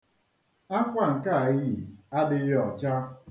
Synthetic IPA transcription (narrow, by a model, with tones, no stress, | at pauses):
a˦kʷa˨ŋ̩˨ka˦˨ɪ˦ɣi˨a˦dɪ˦jɔ˨t͡ʃa˦